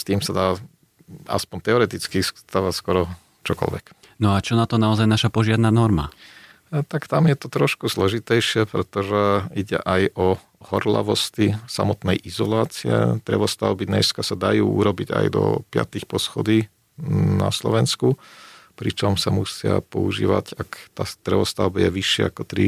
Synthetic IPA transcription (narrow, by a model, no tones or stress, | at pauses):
st̪iːmsad̪aː | a̰spɔnt̪ɛɔɾɛt̪it͡skist̪aʋaskɔɾɔ | t͡ʃɔkɔ̰lʋɛk | nɔat͡ʃɔnat̪ɔnaɔzajnaʃapɔʒɪad̪naːnɔɾma̰ | t̪akt̪amjɛt̪ɔt̪ɾɔʃkuzlɔʒit̪ɛjʃɪɛpɾɛt̪ɔʒɛiɟɛ̰ʔajʔɔ | hɔɾla̰ʋɔst̪isamɔt̪nɛjʔizɔlaːt͡siɛ̰t̪ɾɛʋɔst̪aʊbiɲɛskasad̪ajuːʔuɾɔbiɟa̰jd̪ɔ̰pɪa̰t̪ixpɔsxɔd̪iː | na̰slɔ̰ʋɛnskupɾit͡ʃɔmsamusɪa̰pɔuʒḭːʋa̰cakt̪aːt̪ɾɛʋɔst̪aʊbijɛʋiʃɪɛ̰akɔt̪ɾi